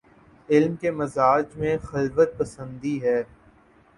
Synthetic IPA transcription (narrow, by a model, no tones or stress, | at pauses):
ɪlmkemɐzaːd͡ʒmẽxɐlfət̪̚pɐsə̃nd̪iɦɛː